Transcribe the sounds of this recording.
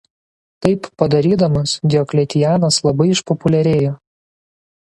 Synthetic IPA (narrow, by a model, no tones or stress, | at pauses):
t̪ɐɪpːɐd̪ɐɾʲiːd̪ɐmɐsd̪ʲɛɔklʲɛt̪ʲɪjæːnɐslˠɐbɐɪɪʃpɔpʊlʲɛɾʲeːjoː